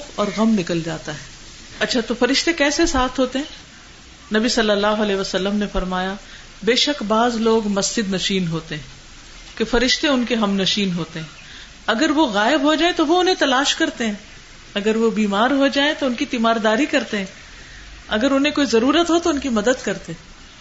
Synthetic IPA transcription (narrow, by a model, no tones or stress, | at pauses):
fɔːɾɣɐmnɪkəld͡ʒaːt̪aɦɛ | ɐtːʃʰat̪ofɐɾɪʃt̪ekɛːsesaːt̪ʰɦoːt̪eɦɛ̃ː | nɐbisɐlːəlːaːɦoɐlɛːʋəsɐlːəmnefɐɾmaːja | beːʃəkbaːzloːɡmɐsd͡ʒɪd̪nɐʃiːnɦoːt̪eɦɛ̃ | kefɐɾɪʃt̪eʊnkeɦɐmnɐʃiːnɦoːt̪eɦɛ̃ː | ɐɡəɾʋoɣaːɪbɦod͡ʒaːẽt̪oʋoʊnɦẽt̪ɐlaːʃkɐɾt̪eɦɛ̃ː | ɐɡəɾʋobiːmaːɾɦod͡ʒaːẽt̪oʊnkit̪imaːɾd̪aːɾikɐɾt̪eɦɛ̃ː | ɐɡəɾʊnɦẽkoːizɐɾuːɾət̪ɦot̪oʊnkimɐd̪əd̪kɐɾt̪eɦɛ̃ː